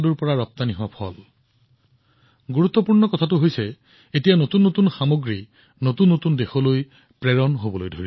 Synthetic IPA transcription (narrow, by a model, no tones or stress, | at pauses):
duɹpɔɹaɹɔp̚t̪aniɦʊwapʰɔl | ɡuɹut̪ːɔpuɹnɔkɔtʰatʊɦojsɛ | etijanotunːotunxamoɡɹi | notunːotundexɔloj | pɹɛɹɔnɦobɔlojdʱoi